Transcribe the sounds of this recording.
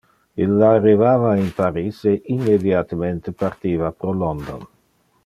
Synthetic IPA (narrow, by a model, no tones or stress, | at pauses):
ilːrːivaːvainpaɾiseʔimːed̪jat̪ement̪epart̪iːvapɾolɔnd̪on